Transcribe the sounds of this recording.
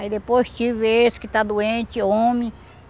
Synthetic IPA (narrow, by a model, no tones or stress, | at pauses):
aid̪epojst͡ʃiveskɪt̪ad̪uẽnt͡ʃiõmĩ